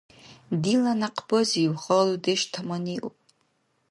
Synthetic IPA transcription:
dilanaqʰbɨziwχəludeʃtʰamaniʔupʼ

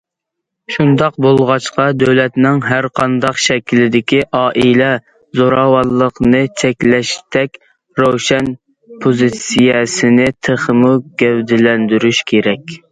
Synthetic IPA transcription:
ʃund̪ɑq̚bolˠʁɑt͡ʃqɑd̪øwlɛt̪nɪŋɦæɾqʰɑnd̪ɑqʃɛkʲlɪd̪ɪkʲiʔɑːʔilɛ | zoɾɑwɑlˠːəqnɨt͡ʃʰɛkʲlɛʃt̪ʰɛkʲ | ɾowʃɛn | pʰozɨt̪sijɛsɪnɪt̪ʰəχəmuɡʲɛwd̪ɪlɛnd̪yɾyʃkʲʰeɾɛkʲ

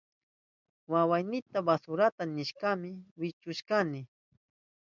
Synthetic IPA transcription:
wawajnɪt̪abasʊɾat̪anɪʃkamɪwɪt͡ʃʊʃkanɪ

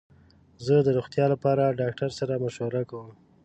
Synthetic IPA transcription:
zəd̪əɾuxt̪jɑlapɑɾaɖɑk̚ʈaɾsaɾamaʃwaɾakawəm

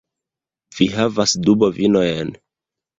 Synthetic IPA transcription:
v̥iɦavasdubovinojen

